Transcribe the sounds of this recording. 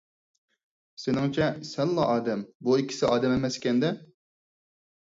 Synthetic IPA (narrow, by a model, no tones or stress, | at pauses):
senɪŋt͡ʃʰɛsɛnlˠɑʔɑːd̪ɛmbuikʲʰːɪ̥sɪʔɑːd̪ɛmemɛskʲɛnd̪ɛ